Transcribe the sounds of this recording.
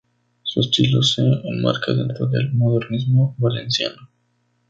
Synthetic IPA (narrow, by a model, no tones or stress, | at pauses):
suest̪iloseenma̰ɾkaðe̞̰nt̪ɾoðelmoðe̞ɾnizmoβale̞̰nsja̰no